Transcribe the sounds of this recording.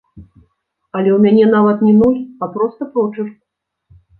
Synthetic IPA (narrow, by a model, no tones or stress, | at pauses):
ɐlʲɛwmʲanʲɛnavɐt̪nʲɛnɔjʲiapɾɔst̪ɐpɾɔt͡ʂɨr